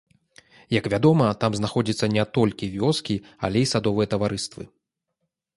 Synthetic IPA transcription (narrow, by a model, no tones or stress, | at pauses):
jɐkvʲad̪ɔmɐt̪amznaxɔd͡zʲit̪sːɐnʲɛt̪ɔlʲkʲivʲɔskʲia̰lʲɛjisad̪ɔvɨjɐt̪ɐvaɾɨst̪vɨ̰